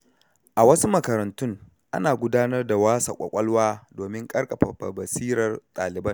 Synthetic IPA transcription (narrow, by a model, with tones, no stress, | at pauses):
ʔa˨wɐ˦su˦mɐ˨kɐ˨ɾɐ˨ntʊ˦ŋ | ʔa̰˦naː˨ɡʷʊ˦daː˦nɐ˦rda˨waː˦sɐ̰˨kʷʼɐ̰˨kʷʼɐ˦lwaː˦doː˨mɪ˦ŋkʼɐ˦ɽkʼɐ˨ɸɐ˨ɸɐ̰˨bɐ˨siː˦ɾɐ˨rtʼaː˨lɪ˨bɐ˦n